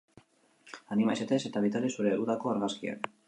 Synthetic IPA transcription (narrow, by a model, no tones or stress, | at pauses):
animajset̪e̞se̞t̪aβ̞it̪alesuɾe̞uðako̞aɾɣaskia̰n